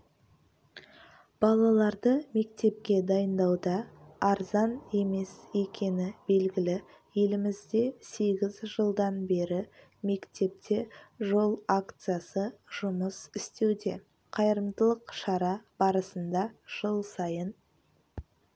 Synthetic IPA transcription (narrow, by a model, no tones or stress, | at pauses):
b̥ɑlˠɑlˠɑɾd̪əme̞kt̪e̞p̚kʲe̞d̪ɑjənd̪ɑwd̪ɑːɾzɑne̞me̞sekʲe̞nɪbe̞lɡʲɪlɪ | je̞lɪmɪzd̪e̞se̞ɡʲɪzʒəlˠd̪ɑnbe̞ɾɪ | me̞kt̪e̞p̚t̪ʰe̞ʒo̞lˠakt̪sɨjasəʒ̥ʊməsɪst̪e̞wd̪e̞ | qʰɑjəɾəmd̪əlˠəqʃɑɾɑb̥ɑɾəsənd̪ɑʒ̥əlˠsɑjən